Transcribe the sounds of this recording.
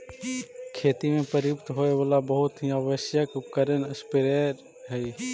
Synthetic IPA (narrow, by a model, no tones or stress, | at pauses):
kʰeːt̪imẽpəɾjʊpt̪ɦoːeʋaːlabəɦʊt̪ɦĩaʋəʃjəkʊkəɾənəspɪɾeɾ | ɦɛi